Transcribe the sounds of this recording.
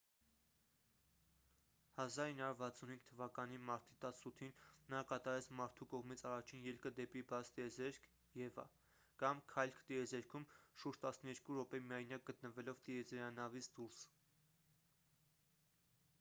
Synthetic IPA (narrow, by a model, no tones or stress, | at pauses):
hɑzɑɾinːhɑuɾvɑt͡sʰːunɦiŋɡ̥̚t̪ʰəvɑkɑnimɑɾt̪i̥t̪ɑsut̪ʰinːɑkɑt̪ɑɾɛt͡sʰmɑɾt̪ʰukɔʁmit͡sʰɑrɑt͡ʃʰinjɛlkəd̪ɛpibɑt͡sʰt̪iɛzɛɾkʰ | jɛvɑ̰ | kɑmkʰɑjlkʰt̪iɛzɛɾkʰumʃuɾd͡ʒt̪ɑsnəjɛɾkuɾɔpɛmiɑjnjɑk̚ɡət̪nəvɛlɔvt̪iɛd͡zɛɾɑnɑvit͡sʰd̪uɾs